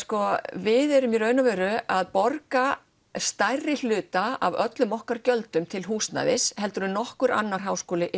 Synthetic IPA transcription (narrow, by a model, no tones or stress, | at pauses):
skɔvɪðɛɾʏmjɛɾœːɥnavɛːɾʏaðpɔɾka | st̪ajrːɪl̥ʏːt̪aa̰vœt̪lʏmɔhkaɾcœlt̪ʏmt̪ʰɪlɦuːst̪na̰ðɪshɛlt̪ʏɾʏnɔhkʏɾa̰nːaɾ̥ɦaːwskoːlɪʔ